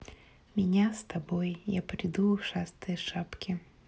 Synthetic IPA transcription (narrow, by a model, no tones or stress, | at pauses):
mʲinʲast̪abɔjjapɾʲid̪uʂast̪ɨjɐʂapkʲi